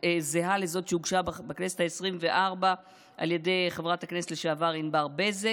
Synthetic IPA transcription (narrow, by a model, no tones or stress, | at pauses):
ezeɦalezo̞t̪ʃeuɡʃabbeknesethaesʁimveʔaʁba | ʔa̰lje̞dejχevʁathakneset̪leʃeavaʁinbaʁbeze